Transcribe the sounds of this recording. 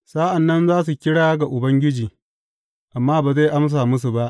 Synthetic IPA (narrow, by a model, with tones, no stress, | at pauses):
saː˦ʔa˨nːɐ˦nzaː˦s̬u˨kʲɪ˦ɽaː˦ɡa˨ʔʊ˨bɐ˦ŋɡʲɪ˦d͡ʒiː˨ | ʔa˨mːaː˦baː˨za˦jʔa˦ms̬aː˨mʊ˦s̬u˨ba˦ʔ